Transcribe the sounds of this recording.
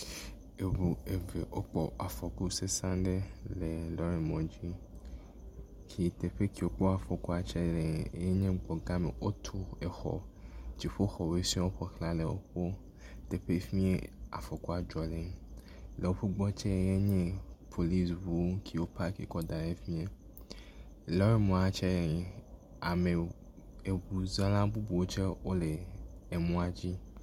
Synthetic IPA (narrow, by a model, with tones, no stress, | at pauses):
e˨bu˨e˨ve˨ʔo˦k͡pɔ˨ʔa˨fɔ˨ku˦se˦sã˦ɖe˦le˨lɔ˦ɾe˨mɔ̃˨d͡ʑi˦ | kʰi˨t̪e˨ɸe˦ki˨wo˦k͡pɔ˦a˨fɔ˨ku˦a˨t͡ʃɛ˦le˨˦je˦ɲẽ˦ɡ͡bɔ˨ɡa˦mḛ˨ʔo˦t̪ʰu˦e˨xɔ̰˨t͡ʃi˨ɸo˦xɔ˨we˦sĩ˦o˦ɸɔ˨klã˦le˨wo̰˦ɸo˦ | d̪̥e˨ɸe˦fĩ˦ḛ˦a̰˨fɔ˨kɔ˦a˨d͡ʒɔ˨le˦ | le˨wo˦ɸu˦ɡ͡bɔ˦t͡ʃɛ˦jɛ˦ɲɛ̃˦pʰo˨li˦svu˦kʰi˨o˦pʰa˦kḛ˨kɔ˦d̪ã˨ne˦fĩ˦e˦ | lɔ˨˦e˦mɔ̃˨a˨t͡ʃɛ˦˨ | a˨mẽ˨ | e˨bu˨za˦lã˦bu˦bu˨wo˦t͡ʃɛ˦wo˦leː˨mũ˦a˨d͡ʑi˦